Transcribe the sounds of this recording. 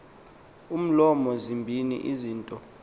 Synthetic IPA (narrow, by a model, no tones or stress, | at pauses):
um̩lɔmɔzimbʱinḭʔiziːntʼɔ